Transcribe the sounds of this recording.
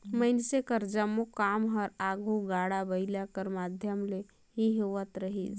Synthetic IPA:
məɪnsekəɾd͡ʒəmokaːmɦəɾaːɡʱuɡaːɽabəɪlakəɾmaːd̪ʱjəmle | ɦiɦoʋət̪ɾəɦḭd͡ʒ

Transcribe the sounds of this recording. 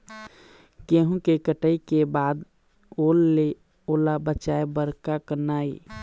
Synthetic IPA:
keɦũkekəʈəikebaːd̪ | oːlːe | oːlabət͡ʃaebəɾkakənaːḭ

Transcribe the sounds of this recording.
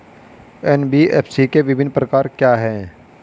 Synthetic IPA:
ɛːnbiɛ̰ːpʰsikeʋɪbʱɪnːpɾɐkaːɾkjaːɦɛː

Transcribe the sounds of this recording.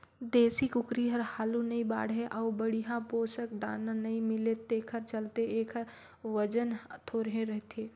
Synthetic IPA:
d̪eːsikʊkɾiɦɐɾhaːlunɐĩba̰ːɽɦẽʔɐʊbɐɽiɦãpoːʃək̚d̪a̰ːnãnɐɦĩmɪlet̪eːkʰəɾt͡ʃɐlt̪eeːkʰəɾ | ʋɐd͡ʒənt̪ʰoːɾɦẽɾɛɦt̪ʰeː

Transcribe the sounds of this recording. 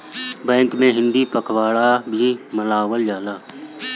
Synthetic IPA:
bɛ̃ːŋkmẽɦɪ̃nd̪iːpəkʰwaːɽaːbʱiːməlaːwəld͡ʒaːlaː

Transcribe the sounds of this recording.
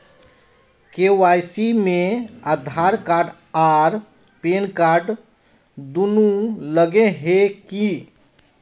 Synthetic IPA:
kewajsimẽəd̪ʱaɾkaɾɖ | aɾ | penkaɾɖ | d̪unuləɡeɦeki

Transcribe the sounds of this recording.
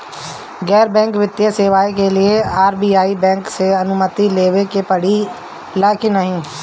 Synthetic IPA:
ɡɛːɾbɛ̃ːŋkʋɪt̪jaseːʋaːikelɪeaːɾbiːaːibɛ̃ːŋkseənʊmət̪ileːʋekepəɽi | laːkinəɦĩː

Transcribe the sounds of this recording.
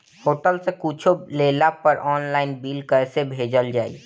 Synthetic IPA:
hoʈəlsẽkut͡ʃʰolelapəɾʔɔːnlaːɪnbilkəjsebʱed͡ʒəld͡ʒaːḭ

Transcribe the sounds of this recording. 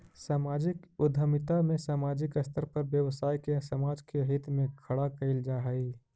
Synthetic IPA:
saːmaːd͡ʒɪkʊd̪ʱəmɪt̪amẽsaːmaːd͡ʒɪkəst̪ʰəɾpɐɾbjəʋsaːjkesəmaːd͡ʒkeɦɪt̪mẽkʰɐɽakəɪld͡ʒaːɦəi

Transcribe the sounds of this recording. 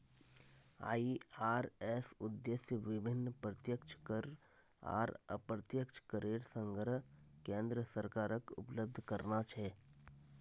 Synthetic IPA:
a̰ːiaːɾɛːsʊd̪ːesjəʋɪbʱɪnːpɾət̪jəkt͡ʃʰkəɾ | a̰ːɾə̰pɾət̪jəkt͡ʃʰkəɾʔeːɽsə̃ŋɡʱɾəkẽːnd̪ɾəsəɾkaːɾəkʊ̰pləb̚d̪ʱkəɾnat͡ʃʰɛː

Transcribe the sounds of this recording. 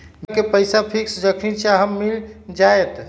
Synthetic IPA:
mkepəjsapʰiksd͡ʒəkʰit͡ʃʰaɦəmːild͡ʒajt̪

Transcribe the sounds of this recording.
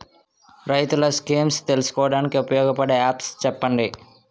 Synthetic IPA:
ɾɐjt̪ulɐskiːmst̪elusu̥kɔːʋɐɽaːnikiupɐjɔːɡɐpɐɽeːaːpst͡ʃɛpːɐɳɖi

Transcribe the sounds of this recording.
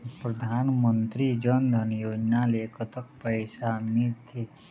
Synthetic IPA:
pɾəd̪ʱaːnmənt̪ɾid͡ʒənd̪ʱənjoːd͡ʒnaleːkʰət̪ək̚pəjsamit̪ʰe

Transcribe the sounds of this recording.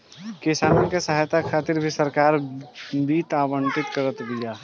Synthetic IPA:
kɪsaːnõkesɐɦajt̪akʰaːt̪ɪɾbʱisɐɾkaːɾbiːt̪aːwə̃ɳʈ̪ɪt̪kəɾət̪bijaː

